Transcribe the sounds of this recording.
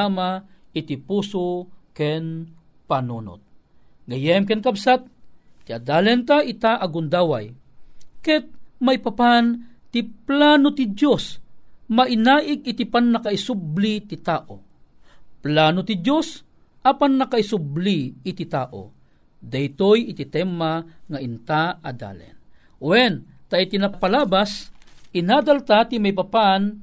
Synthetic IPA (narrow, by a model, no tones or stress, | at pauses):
amaɪt̪ipuːsokɛn | panunʊ̰t̪̚ | ɡɐjɛmk̬ɛnkabsat̪̚ːiad̪aːlɛnt̪aʔit̪aʔaɡʊnd̪aːwaj | kɛt̪̚maipapant̪iplaːnot̪ɪd̪josmaʔinaːʔɪk̚ɪt̪ipanːakaisublit̪ɪt̪aːʔo̰ | plaːnot̪id̪jos | ʔɐpanːɐkaisubliːt̪it̪aːʔo̰ | d̪ajt̪ojɪt̪it̪ɛmaŋaint̪aad̪a̰ːlɛ̰n | wɛnt̪ait̪inapalaːbasinaːd̪alt̪at̪imajp̬apan